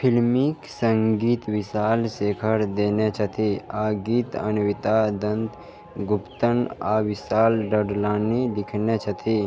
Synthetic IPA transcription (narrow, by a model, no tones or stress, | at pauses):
pʰɪlmiksə̃ŋɡiːt̪ʋɪsaːlseːkʰəɾd̪eːnet͡ʃʰɐt̪ʰiaːɡiːt̪ə̰nʋɪt̪ad̪ə̃nt̪ | ɡʊpt̪ənaːʋɪsaːlɖəɖlaːnid̪ɪkʰnet͡ʃʰət̪ʰi